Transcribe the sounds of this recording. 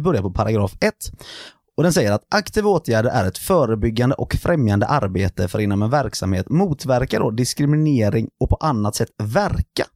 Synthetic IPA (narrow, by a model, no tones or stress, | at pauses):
bœɾjapɔpʰaɾaɡɾɑːfɛt̪ː | ɔd̪ɛnsɛjːəɾat̪ʔakt̪ʰiːvoːt̪ʰjæːɖəɾʔæ̰ɾɛt̪fœːɾəbʏɡːand̪əʔɔkfɾʔɛmjand̪ə̰ʔaɾbeːt̪əfœɾɪnːɔmɛnvæɾksa̰mhḛːt̪muːt̪væɾkaɖɔd̪ɪskɾɪmɪneːɾɪŋɔkpʰɔʔanːat̪sɛt̪ːvæɾka̰